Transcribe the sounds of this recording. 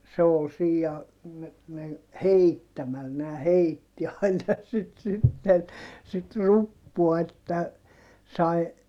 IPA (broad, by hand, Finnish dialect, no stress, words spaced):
se ol siː jɑ me meŋ heitːæmæl næː heitːi ɑinɑ sit sitːen sit rupːuɑ etːæ sɑi